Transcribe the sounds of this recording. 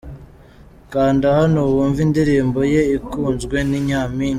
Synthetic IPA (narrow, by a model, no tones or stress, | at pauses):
kaːndahanowuːɱvindiɾiːmbo̞je̞ikuːnzɡwe̞niɲaːmiːɲi